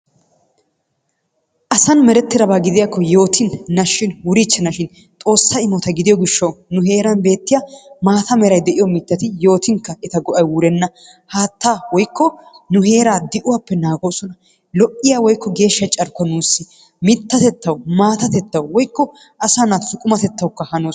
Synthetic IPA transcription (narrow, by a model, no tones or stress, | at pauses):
ʔɐsɐnmɛɾɛt̪ːɪɾɐbaːɡɪd̪ɪjakːɔjo̞ːt̪ɪnːɐʃːɪnwʊɾit͡ʃːɛnɐʃɪn | t̪ʼo̞ːsːaɪmɔt̪ɐɡɪd̪ɪjɔɡɪʃːɐwnʊɦe̞ːɾɐnbe̞ːt̪ːɪjamaːt̪ɐmɛɾɐjd̪ɛʔɪjɔmɪt̪ːɐt̪ɪjo̞ːt̪ɪŋkːɐɛt̪ɐɡɔʔɐjwʊɾɛnːɐ | haːt̪ːaːwɔjkːɔnʊhe̞ːɾaːd̪ɪʔʊwapːɛnaːɡoːsɔnɐ | lɔʔːɪjawɔjkːɔɡe̞ːʃːɐt͡ʃʼɐɾkɔnuːsːɪ | mɪt̪ːɐt̪ɛt̪ːɐwʊmaːt̪ɐt̪ɛt̪ːɐwwɔjkːɔ | ʔɐsaːnat̪sʊkʼʊmɐt̪ɛt̪ːɐwʊkːɐhɐnoː